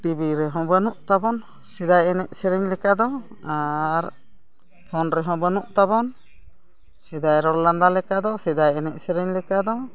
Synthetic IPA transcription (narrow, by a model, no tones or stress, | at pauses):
ʈ̪ibiɾɛɦɔ̃bənuʔt̪abɔn | sɛd̪ajɛnɛʔsɛɾɛɲlɛkad̪ɔ | aɾ | hɔnɾɛɦɔ̃bənuʔt̪abɔn | sɛd̪ajɾɔlland̪alɛkad̪ɔsɛd̪ajɛnɛʔ̚sɛɾɛɲlɛkad̪ɔ